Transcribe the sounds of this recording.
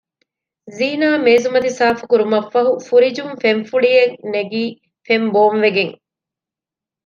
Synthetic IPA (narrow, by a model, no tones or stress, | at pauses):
ziːnaːmeːzumɐd̪isaːfu̥kuɾumɐfːɐɦufuɾid͡ʒumfeɱfuɭijeŋneɡiː | femboːmʋeɡeŋ